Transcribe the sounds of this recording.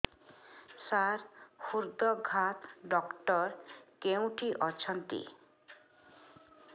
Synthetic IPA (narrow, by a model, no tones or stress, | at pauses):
saɾhuɾd̪ɔɡʱat̪ɖɔkʈɔɾkeũʈiʔɔt͡ʃʰɔnt̪ḭ